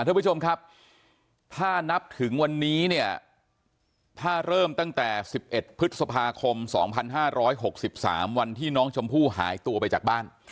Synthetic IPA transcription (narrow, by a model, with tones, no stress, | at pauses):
a˥˩˦t͡ɕʰo˧mkʰa˦˥p̚ | t̪ʰaː˥˩na˦˥p̚t̪ʰɯ˩˦ŋwa˧nːiː˦˥ni˥˩ɐ | t̪ʰaː˥˩ɾɤː˥˩mt̪a˥˩ŋt̪ɛː˨˩si˨˩p̚ʔe˨˩t̪̚pʰɯ˦˥t̪̚sa˧pʰaː˧kʰo˧msɔ̰ː˩˦ŋpʰa˧nɦaː˥˩ɾɔː˦˥jɦo˨˩k̚si˨˩p̚sa̰ː˩˦mwa˧nt̪ʰiː˥˩nɔː˦˥ŋt͡ɕʰo˧mpʰuː˥˩ɦa̰ː˩˦jt̪u˧ɐpa˧jt͡ɕaː˨˩k̚baː˥˩n